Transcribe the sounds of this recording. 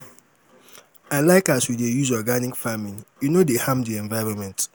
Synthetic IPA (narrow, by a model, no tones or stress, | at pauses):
aɪlaɪkaswidejuzɔɡanikfamĩnjunodehãmdiɛ̃ɱvaɪɹɔ̃nmɛ̃nt